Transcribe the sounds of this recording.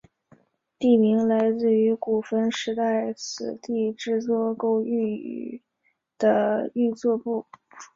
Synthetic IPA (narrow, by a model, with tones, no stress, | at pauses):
t̪i˥˩mi˧˥ŋla˧˥ɪt͡sɹ̩˥˩y˧˥ku˨˩fə˥nʂɻ̩˧˥t̪a˥˩ɪt͡sʰɹ̩˨˩t̪i˥˧ʈ͡ʂɻ̩˥˧t͡swɔ˥˧ko˥ʊy˥˩y̰˨˩ | d̪̥ə˧y˥˧t͡swɔ˥˧pu˥˩